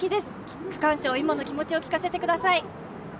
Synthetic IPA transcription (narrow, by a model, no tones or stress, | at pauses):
kʲid̪e̞sɨ̥ | kɯ̟̥kãɰ̃ɕoːimano̞kʲimo̞t͡ɕio̞kʲi̥kase̞t̪e̞kɯd̪asai